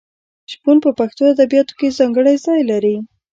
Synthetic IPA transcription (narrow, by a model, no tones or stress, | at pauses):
ʒɡunpəpaxt̪oad̪abijɑt̪o̥kezɑŋɡəɽajzɑjlaɾi